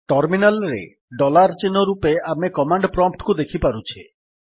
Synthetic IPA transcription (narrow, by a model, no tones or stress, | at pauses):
ʈɔɾminalɾḛ | ɖɔlaɾt͡ʃinɔɾupeamekɔmaɳɖpɾɔmp̚ʈkud̪ekʰipaɾut͡ʃʰi